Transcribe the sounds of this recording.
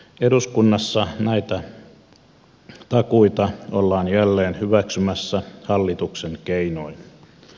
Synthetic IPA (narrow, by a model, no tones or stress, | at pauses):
eɾuskunːɑsːɑnæit̪æ | t̪ɑkuit̪ɑolːɑːnjælːeːnhyʋæksymæsːæhɑlːit̪ukseŋkeinoin